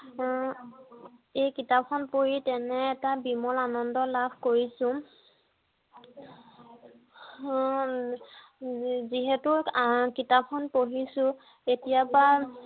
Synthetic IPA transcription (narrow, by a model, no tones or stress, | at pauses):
ejkitap̚xɔnpoɹitɛnɛːtabimɔlanɔndɔlabʱkoɹisʊ̃ | ziɦɛtʊkitapxɔnpoɦisʊ̃ | etijapa